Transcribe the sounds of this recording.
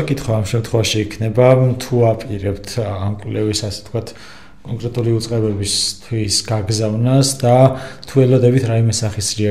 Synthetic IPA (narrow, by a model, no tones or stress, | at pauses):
kʼit̪ʰχwaːmʃɛmt̪ʰχɛvaʃiːkʰnɛbat̪ʰuapʼiɾɛpt̪ʰamkʼwlɛvisasɛ̥t̪ʰkʰwat̪ʰ | kʼɔŋkʼɾɛt̪ʼuliut̪sʼqʼɛbɛbist̪ʰwisɡaɡzavnasd̪at̪ʰuɛlɔd̪ɛbit̪ʰɾaimɛsaχisɾia